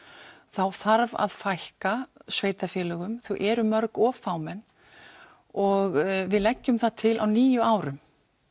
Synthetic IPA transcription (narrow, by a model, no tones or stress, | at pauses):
θawθaɾva̰ðfajhkasveːjt̪afjɛːlœɣʏmθuʔɛːɾʏmœɾkɔːfaːwmɛnː | ɔɣvɪðlɛcːʏmθaðt̪ʰɪlʔa̰wniːjʏaːwɾʏm